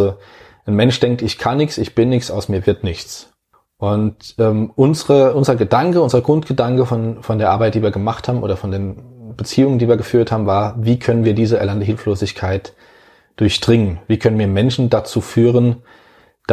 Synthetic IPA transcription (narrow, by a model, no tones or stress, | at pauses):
o | ʔanmɛnʃd̥ɛŋk̚tɪçkʰanːɪçt͡sɪçb̥ɪnːɪçt͡sʔaʊsmiːɐvɪɐtnɪçt͡s | ʔʊntʔɛːmʔʊnzəʁəʔʊnzəʁɐɡədaŋkəʊnzəʁɐɡʁʊntɡ̥ədaŋkəfɔnfɔndeːɐʔaɐbaɪt̚d̥iːviːɐɡəmaχthaːbm̩ʔoːdɐfɔndeːnb̥ət͡siːʊŋəndiːviːɐɡəfyːɐthaːbm̩vaːɐviːkʰœnənviːɐdiːzəɛ̰ɐlandəɦɪlfloːzɪçkʰaɪt | d̥ʊɐçd̥ʁɪŋənviːkʰœnənviːɐmɛnʃn̩dat͡suːfyːʁən | d̥